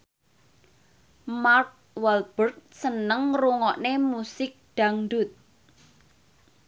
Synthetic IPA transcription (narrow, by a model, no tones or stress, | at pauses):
mark̚ | wɛlb̥ərt̪̚sənəŋruŋɔʔnemusɪk̚ɖ̥a̤ŋɖut̪̚